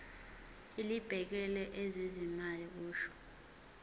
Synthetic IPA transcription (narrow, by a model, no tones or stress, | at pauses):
ilib̥ʱɛk̬ɛlɛʔɛzezimalik̬uːʃɔ̥